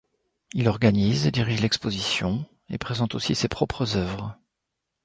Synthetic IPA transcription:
ilɔʁɡanized̪iʁiʒlɛkspozisjɔ̃ | ḛpχezɑ̃t̪osisepχɔpχəzœvʁ

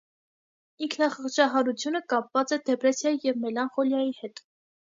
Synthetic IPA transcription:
iŋkʰnɑχəχt͡ʃʰɑɦɑɾut͡sʰjunəkɑpvɑt͡sɛd̪ɛpɾɛsjɑjijɛvmɛlɑnχɔljɑjihɛt̪

